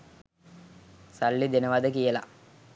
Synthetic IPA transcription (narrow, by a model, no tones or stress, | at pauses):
salːid̪enəʋad̪əkijəla̰